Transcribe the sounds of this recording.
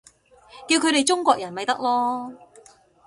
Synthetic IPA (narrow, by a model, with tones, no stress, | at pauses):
kiː˧wkʰɵ˨˧ɥɾe˨jt͡ʃʊ˥ŋkʷɔː˧˨k̚jɐ˨˩nmɐ˨jt̪ɐ˥k̚lɔː˥